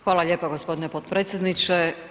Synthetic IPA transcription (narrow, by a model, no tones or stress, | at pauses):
xʋaːlˠaʎʲeːpoɡospo̞d̪inepod̪pɾeːt̪sjed̪nit͡ʃe